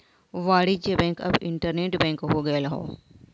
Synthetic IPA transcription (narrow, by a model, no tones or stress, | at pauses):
ʋaːɽit͡ʃebɛ̃ːŋkɐ̰bɪ̰̃ɳʈəɾneːʈbɛ̃ːŋkɦoɡɐjelɐɦo̰ː